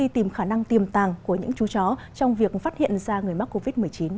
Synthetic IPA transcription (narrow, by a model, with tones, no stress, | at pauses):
i˧t̪i˨˩mxaː˧˩na˧ŋt̪i˨˩əmt̪aː˨˩ŋku˧˩əɲɨ̰˧˥ŋt͡ɕu˨˦t͡ɕɔ˨˦ | t͡ɕɔ˧wŋ͡mvi˨˩ək̚faː˦˥t̚hḭ˧˨ənzaː˧ŋɨ˨˩əjma˦˥k̚ko˧vi˦˥t̚mɨ˨˩əjt͡ɕi˨˦n